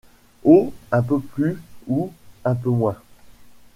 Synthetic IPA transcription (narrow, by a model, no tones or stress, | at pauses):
oɛ̃pəplyuɛ̃pəmwɛ̃